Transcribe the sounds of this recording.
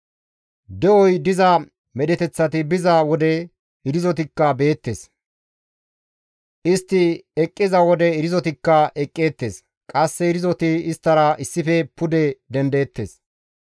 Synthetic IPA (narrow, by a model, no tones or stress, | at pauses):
d̪ɛʔɔjd̪ɪzɐ | mɛd̪ɛt̪ɛt͡sːɐt̪ɪbɪzɐwɔd̪ɛ | ɪɾɪzɔt̪ɪkːɐbe̞ːt̪ːeːs | ʔɪst̪ːɪɛkʼːɪzɐwɔd̪ɛɪɾɪzɔt̪ɪkːɐʔɛkʼːe̞ːt̪ːe̞̰ːs | kʼɐsːɛɪɾɪzɔt̪ɪɪst̪ːɐɾɐʔɪsːɪfɛpʊd̪ɛd̪ɛnd̪eːt̪ːe̞̰ːs